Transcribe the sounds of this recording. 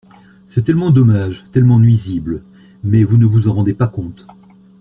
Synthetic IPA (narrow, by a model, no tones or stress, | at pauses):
sɛt̪ɛlmɑ̃d̪ɔmaʒt̪ɛlmɑ̃nɥizibl | mɛvunəvuzɑ̃ʁɑ̃d̪epakɔ̃t̪